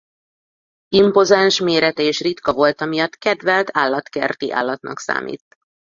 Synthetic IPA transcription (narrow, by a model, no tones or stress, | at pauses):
impo̞zanʃmeːɾɛt̪ɛeːʃrit̪kɒvo̞lt̪ɒmijɒt̪kɛd̪vɛlt̪ʰaːlːɒt̪kɛ̰rt̪iʔa̰ːlːɒt̪nɒ̰ksa̰ːmḭːt̪